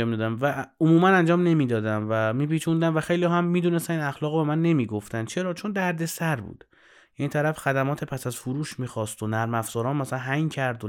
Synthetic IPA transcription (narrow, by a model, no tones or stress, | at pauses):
mid̪ɒːd̪æmvæomuːmænænd͡ʒɒːmne̞miːd̪ɒːd̪æmvæmiːpiːt͡ʃʰund̪æmvæxe̞jlijɒːhæmːiːd̪uːnest̪æninæxlɒːɣobe̞mænːe̞miːɡo̞ft̪ænt͡ʃʰe̞ɾɒːt͡ʃʰo̞nd̪æɾd̪e̞sæɾbṵːd̪̥ | jæniːt̪ʰæɾæfxæd̪æmɒːt̪ʰepʰæsæzfuɾuːʃmiːxɒːst̪onæɾmæfz̥ɒːɾɒːnmæsælænɦæŋcʰæɾd̪o